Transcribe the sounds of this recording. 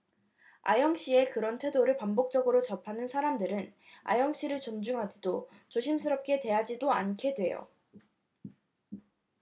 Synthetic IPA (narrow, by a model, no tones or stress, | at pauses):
a̰jʌŋɕ͈ie̞kɯɾʌntʰwe̞doɾɯɭpambok̚t͡ɕ͈ʌɡɯɾot͡ɕʌpʰanɯnsʰaɾamdɯɾɯn | a̰jʌŋɕ͈iɾɯɭt͡ɕond͡ʑuŋɦad͡ʑidot͡ɕoɕʰimsʰɯɾʌp̚k͈e̞twe̞jad͡ʑidoankʰe̞dwe̞jo̰